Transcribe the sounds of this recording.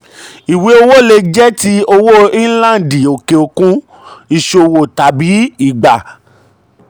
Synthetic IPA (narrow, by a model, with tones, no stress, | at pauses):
i˨we˨˦o˧wo˦˨le˧d͡ʒɛ˦ti˦o˧wo˦ĩ˦lã˦˨n˨di˨o˨ke˨o˧kũ˧˦ | i˦˨ʃo˨wo˨ta˨bi˨˦i˦˨ɡ͡ba˨